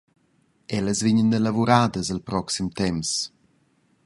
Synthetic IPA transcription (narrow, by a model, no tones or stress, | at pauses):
ɛləzviɲəndelavuɾaːd̪əzəlpɾɔksimt̪ɛms